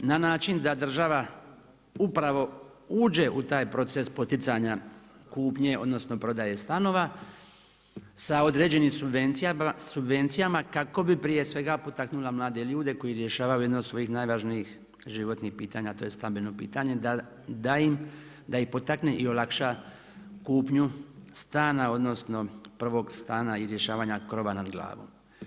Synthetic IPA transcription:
nanaːt͡ʃind̪ad̪r̩ʒaʋa | upɾaʋo̞ | uːd͡ʑe̞ʔut̪aːjpɾo̞t̪se̞spo̞t̪it̪saɲakuːpɲe̞o̞̰d̪no̞sno̞pɾo̞d̪aje̞st̪ano̞ʋa | sao̞d̪ɾe̞ːd͡ʑe̞nimsubent̪isubʋe̞nt̪sijamakako̞bipɾije̞sʋe̞ɡapo̞t̪aknulamlˠaːd̪e̞ʎuːd̪e̞ko̞jiɾje̞ʃaːʋajujed̪nood̪sʋo̞jixnaːjʋaʒniix | ʒiʋo̞t̪nixpiːt̪aɲat̪o̞ːje̞st̪ambeno̞pḭːt̪aɲe̞d̪a | d̪aim | d̪aixpo̞t̪akneʔio̞lakʃa | kuːpɲust̪aːnao̞d̪no̞sno̞pr̩ʋo̞ɡst̪aːnaiɾje̞ʃaːʋaɲakɾo̞ʋanad̪ɡlˠa̰ːʋo̰m

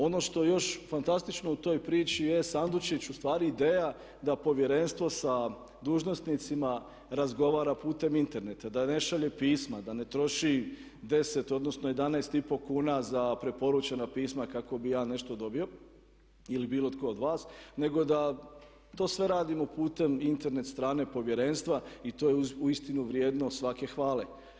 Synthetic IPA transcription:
o̞no̞ʃt̪o̞jo̞ʃfant̪ast̪it͡ʃno̞ut̪o̞ːjpɾiːt͡ʃije̞sand̪ut͡ʃit͡ɕust̪ʋaːɾiːd̪eːja | d̪apo̞ʋje̞ɾe̞nst̪ʋo̞sa | d̪uːʒno̞st̪nit̪sima | ɾazɡo̞ʋaːɾapuːt̪e̞mint̪e̞ɾne̞t̪ad̪ane̞ʃaʎepiːsmad̪ane̞t̪ɾo̞ʃi | d̪e̞se̞t̪o̞d̪no̞sno̞jed̪anaːst̪ipo̞kuːnazapɾe̞po̞ɾut͡ɕenapiːsmakako̞bijaːne̞ʃt̪o̞d̪o̞bio̞ | ilibiːlot̪ko̞ːd̪ʋaːsne̞ɡo̞d̪a | t̪o̞ːsʋe̞ɾaːd̪imopuːt̪e̞mint̪e̞ɾne̞t̪st̪ɾaːne̞po̞ʋje̞ɾe̞ːnst̪ʋait̪o̞ːjeuist̪inuʋɾjeːd̪nosʋake̞xʋaːle

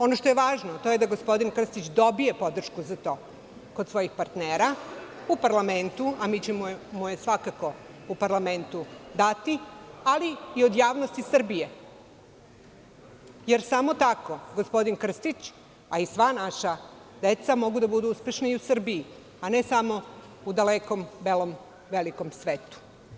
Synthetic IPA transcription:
o̞noʃt̪ojeʋaːʒnot̪o̞je̞d̪aɡospo̞d̪inkr̩st̪it͡ɕd̪o̞bije̞po̞d̪r̩ʃkuzat̪o̞ː | kod̪sʋo̞jixpaɾt̪neːɾa | upaɾlame̞nt̪uamiːt͡ɕemomojesʋakako̞upaɾlame̞nt̪ud̪at̪ialiːo̞d̪jaːʋnost̪isr̩bije̞ | jeɾsamo̞t̪ako̞ɡospo̞d̪inkr̩st̪it͡ɕ | aisʋanaʃa | d̪e̞t̪samo̞ɡud̪abud̪uuspe̞ʃnaiusr̩bii | ane̞samo̞ | ud̪aleko̞mbelo̞m | ʋe̞liko̞msʋeːt̪u̥

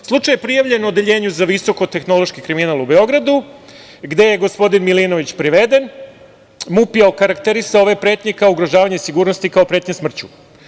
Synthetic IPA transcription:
slˠut͡ʂajepɾijaʋʎe̞nod̪eʎe̞ːɲuzaʋiso̞ko̞t̪e̞xno̞lˠo̞ʃkikɾiminaːlˠubeo̞ɡɾad̪u | ɡd̪e̞jeɡo̞spo̞d̪inmilino̞ʋit͡ɕpɾiʋe̞d̪e̞n | mupijaokaɾakt̪e̞ɾisaoʋe̞pɾeːt̪ɲe̞kaouɡɾoʒaːʋaɲesiɡuːɾnost̪ikaopɾet̪ɲesmr̩t͡ɕu

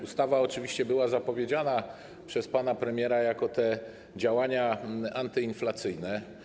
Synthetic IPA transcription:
ust̪avaɔt͡ʂɘvʲiɕt͡ɕɛbɘwazapɔvʲjed͡ʑana | pʂɛspanapɾɛmʲjɛɾajakɔt̪ɛ | d͡ʑawaɲaʔant̪ɘinflat̪sɘjnɛ

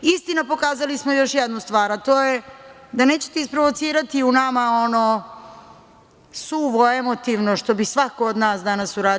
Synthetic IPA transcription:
ist̪inapo̞kaːzalismo̞jo̞ʃjɛd̪nust̪ʋaːɾat̪o̞ːjed̪ane̞ːt͡ɕe̥t̪eispɾoʋo̞t̪siːɾat̪iunamao̞no̞ | suʋoe̞mo̞t̪iʋnoʃt̪o̞bisʋako̞ːd̪naːsd̪anasuɾaːd

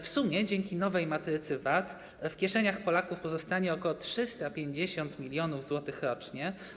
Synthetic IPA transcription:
fsumʲjɛd͡ʑɛŋkʲinɔvɛjmat̪ɾɘt̪sɘvat̪ | fkʲɛʂɛɲaxpɔlakufpɔzɔst̪aɲɛɔkɔwɔtʂɘst̪apʲjeɲd͡ʑeɕɔnt̪mʲilʲjɔnuvzwɔt̪ɘxɾɔt͡ʂɲɛ

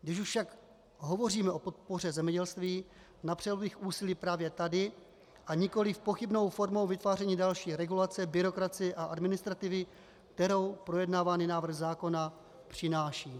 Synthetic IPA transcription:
ɡdɪʃuʃfʃak | ɦo̞vo̞riːmɛʔo̞po̞t̪̚po̞rɛzɛmɲɛɟɛlst̪viː | napr̥ɛlubɪxʔuːsɪliːpɾaːvjɛt̪adɪ | ʔaɲɪko̞lɪfpo̞xɪbno̞wfo̞ɾmo̞wvɪt̪vaːrɛɲiːdalʃiːɾɛɡulat͡sɪɛbɪɾo̞kɾat͡sɪɛʔaʔadmɪnɪst̪ɾat̪ɪvɪ | kt̪ɛɾo̞wpɾo̞jɛdnaːvaːnɪnaːvr̩ɣzaːko̞na | pr̝̥ɪnaːʃiː

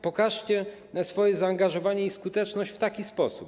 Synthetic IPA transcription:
pɔkaʂt͡ɕɛ | sfɔjɛzaːŋɡaʐɔvaɲɛiskut̪ɛt͡ʂnɔɕt͡ɕft̪akʲispɔsup

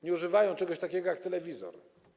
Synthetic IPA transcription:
ɲɛuʐɘvajɔ̃w̃t͡ʂɛɡɔɕt̪akʲɛɡɔjak̚t̪ɛlɛvʲizɔ̰ɾ

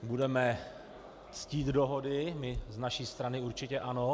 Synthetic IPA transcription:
budɛmɛ | t͡sciːt̪doɦodɪmɪznaʃiːst̪ɾanɪuɾt͡ʃɪcɛʔano

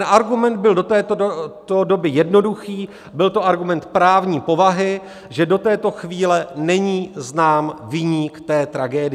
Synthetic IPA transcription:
nʔaɾɡumɛnd̪̚bɪldot̪ɛːt̪odo̞bɪjɛdno̞duxiː | bɪlt̪oʔaɾɡumɛnt̪pɾaːvɲiːpo̞vaɦɪ | ʒɛdo̞t̪ɛːt̪o̞xviːlɛnɛɲiːznaːmvɪɲiːkt̪ɛːt̪ɾaɡɛːdɪ

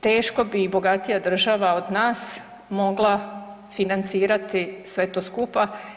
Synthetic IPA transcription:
t̪eːʃko̞biːbo̞ɡat̪ijad̪r̩ʒaʋao̞d̪naːs | mo̞ɡlˠa | finant̪siːɾat̪isʋe̞t̪o̞skupa

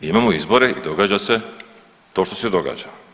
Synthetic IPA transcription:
imamoizbo̞ɾe̞id̪o̞ɡaːd͡ʑase | t̪o̞ːʃt̪osed̪o̞ɡa̰ːd͡ʑa

